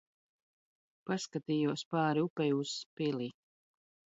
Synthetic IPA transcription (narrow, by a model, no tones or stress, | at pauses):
paskat̪iːjuɔspaːɾiupɛjuspili